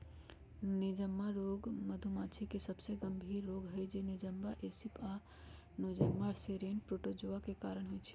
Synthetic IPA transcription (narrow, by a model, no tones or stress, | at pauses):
nid͡ʒəmːaɾoɡməd̪ʱumat͡ʃʰikesəbseɡəmbʱiɾːoɡɦəjd͡ʒenid͡ʒəmbaʔesipʰa | nod͡ʒəmːaɾseɾeɳʈ̚pɾoʈod͡ʒoakekaɾəɽ̃ɦojt͡ʃʰɛ̥